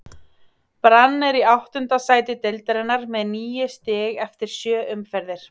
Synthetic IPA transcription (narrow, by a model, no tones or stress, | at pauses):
pɾanːɛɾiawht̪ʏnt̪asaːjt̪ɪt̪elt̪ɾɛnːaɾmɛðniːjʏst̪ɪɣɛft̪ɪɾ̥sjœːʏmfɛɾðɪɾ̥